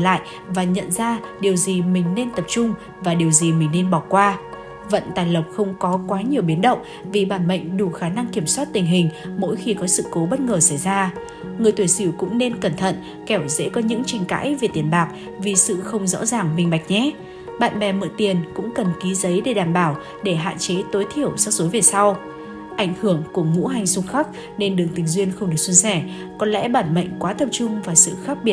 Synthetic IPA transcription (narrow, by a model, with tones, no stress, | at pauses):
la̰ː˧˨j | vaː˨˩ɲə̰˧˨nzaː˧ɗi˨˩əwzi˨˩mï˨˩ŋ̟ne˧nt̪ə˨˩p̚t͡ɕʊ˧ŋ͡m | vaː˨˩ɗi˨˩əwzi˨˩mï˨˩ŋ̟ne˧nɓɔ˧˨˩kwaː˧ | və̰˧˨nt̪aː˨˩jlə˨˩wp̚xə˧wŋ͡mkɔ˨˦kwaː˨˦ɲi˨˩əwɓi˨˦ənɗə̰˧˨wŋ͡m | vi˨˩ɓaː˧˩nmə̰˧˨jŋ̟ɗu˧˩xaː˧˩na˧ŋki˧˩əmswaː˦˥t̚t̪ï˨˩ŋ̟ɦï˨˩ŋ̟mo̰˧˥jxi˧kɔ˨˦sɨ̰˧˨ko˨˦ɓə˦˥t̚ŋəː˨˩sa˧˩jzaː˧ | ŋɨ˨˩əjt̪wi˧˩jsi˧˩wkʊ̰˧˥ŋ͡mne˧nkə˧˩nt̪ʰə̰˧˨n | kɛ˧˩wzɛ̰˧˥kɔ˨˦ɲɨ̰˧˥ŋt͡ɕi˧˩jŋ̟ka̰ː˧˥jve˨˩t̪i˨˩ənɓaː˨˩k̚ | vi˨˩sɨ̰˧˨xə˧wŋ͡mzɔ̰˧˥zaː˨˩ŋmï˧˩ŋ̟ɓa˨˩k̚ɲɛ˨˦ | ɓa̰ː˧˨nɓɛ˨˩mə̰˧˨t̪i˨˩ənkʊ̰˧˥ŋ͡mkə˨˩nki˨˦zə˨˦jɗe˧˩ɗaː˧˨˩mɓaː˧˩w | ɗe˧˩ɦa̰ː˧˨nt͡ɕe˨˦t̪o˨˦jt̪ʰi˧˩əwsa˧˥zo˨˦ve˨˩sa˧w | ʔa˧˩jŋ̟hɨ˧˩əŋku˧˩əŋṵ˧˥ɦa˨˩jŋ̟sʊ˧ŋ͡mxa˦˥k̚ | ne˧nɗɨ˨˩əŋt̪ï˨˩ŋ̟zwi˧ənxə˧wŋ͡mɗɨ˨˩ək̚swnsɛ˧˩ | kɔ˨˩nlɛ̰˧˥ɓaː˧˩nmə̰˧˨jŋ̟kwaː˨˦t̪ə˨˧˩p̚t͡ɕʊ˧ŋ͡mvaː˨˩sɨ̰˧˨xaː˦˥k̚ɓi˧˩ət̚